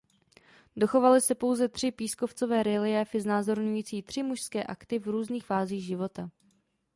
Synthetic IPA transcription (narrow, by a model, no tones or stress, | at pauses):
do̞xo̞valɪsɛpo̞wzɛt̪r̥ɪpiːskoft͡so̞vɛːɾɪlɪjɛːfɪznaːzo̞ɾɲujiːt͡siːt̪r̝̥ɪmuʃskɛːʔakt̪ɪvɾuːzniːxfaːziːɣʒɪvo̞t̪a